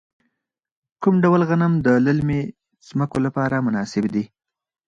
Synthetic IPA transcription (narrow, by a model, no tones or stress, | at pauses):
kumɖawlɣanamd̪ələlme | z̥məkolapɑɾamʊnɑsɪbd̪i